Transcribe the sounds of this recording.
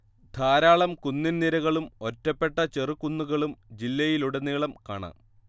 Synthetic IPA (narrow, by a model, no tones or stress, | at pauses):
d̪ʱaːɾaːɭɐmkunːinniɾɐɣɐɭumo̞tːɐpːe̞ʈːɐt͡ɕerukːunːuɣɐɭumd͡ʑilːɐjiluɽenːiːɭɐmka̰ːɳɐ̰